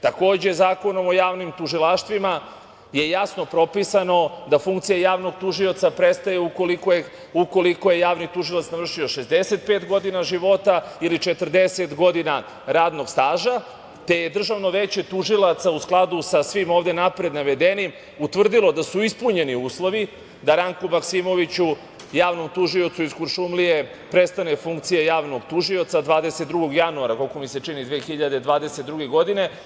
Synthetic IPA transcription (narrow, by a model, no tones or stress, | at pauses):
t̪ako̞ːd͡ʑe̞zaːko̞no̞mo̞jaːʋnimt̪uʒilaːʃt̪ʋima | je̞jasno̞pɾo̞pisano̞d̪afuŋk̚t̪sijajaːʋno̞ɡt̪uʒio̞t̪sapɾest̪ajeukoliko | uko̞liko̞je̞jaːʋnit̪uʒilˠat̪snavr̩ʃio̞ʃezd̪eset̪̚peːt̪ɡo̞d̪inaʒiʋo̞t̪ailit͡ʃe̞t̪r̩d̪eset̪ɡo̞d̪ina | ɾaːd̪no̞ɡst̪aːʒa | t̪e̞jed̪r̩ʒaʋno̞ʋet͡ɕe̞t̪uʒilˠat̪sausklˠad̪usasʋimoːʋd̪e̞napɾe̞d̪naʋe̞d̪enim | ut̪ʋr̩d̪ilo̞d̪asuispuɲe̞niuːslo̞ʋi | d̪aɾaŋkumaksimo̞ʋit͡ɕu | jaːʋno̞mt̪uʒio̞t̪suiskuɾʃumlije̞ | pɾe̞st̪ane̞fuŋkt̪sijejaːʋno̞ɡt̪uʒio̞t̪sad̪ʋaːd̪e̞set̪̚d̪ɾuɡoɡjanuaɾakolkomise̞t͡ʂinid̪ʋeːxiʎad̪e̞d̪ʋaːd̪e̞set̪̚d̪ɾuɡe̞ɡo̞d̪ine̞